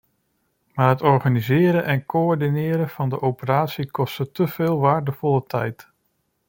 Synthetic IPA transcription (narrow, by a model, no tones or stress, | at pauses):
maːɹɦətɔɹχaːnizɪːɾənʔɛnkoɔɹdinɪːɾənv̥ɑndəʔowpəraːtsikɔstətəv̥ɪːlˠʋaːɹdəv̥ɔlətʰɛ̰jt